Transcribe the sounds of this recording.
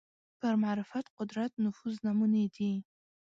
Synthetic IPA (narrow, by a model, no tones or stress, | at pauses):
b̥ʰarmaʕɾɪfatʰqʷʊdratʰnʊfuznamunedej